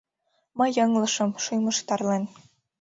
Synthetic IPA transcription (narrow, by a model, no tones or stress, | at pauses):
mɤ̆jɤŋlɤ̆ʃɤ̆mʃujmɤ̆ʃt̪ɑrlen